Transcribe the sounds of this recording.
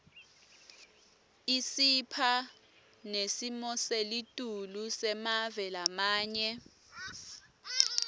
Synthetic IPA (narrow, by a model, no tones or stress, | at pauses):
isipʰa | nesimɔselitʼulusɛmavɛlamaːɲɛ